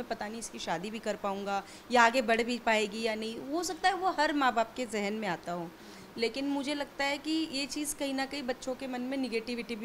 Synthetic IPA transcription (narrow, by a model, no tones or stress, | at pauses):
ɛ̃pɐt̪aːniɪskiʃaːd̪ibʱikɐɾpaːũːŋɡa | jaːɡebɐɽ̤bʱipaːeːɡijanɐɦĩɦosɐk̚t̪aɦɛʋoɦɐɾmaːbaːp̚kezɛɦənmẽaːt̪aɦũː | leːkɪnmʊd͡ʒʱelɐɡ̚t̪aɦɛkijet͡ʃiːzkɐɦinɐkɐibɐtːʃõkemɐnmẽnɪɡeːʈɪʋɪʈibʱ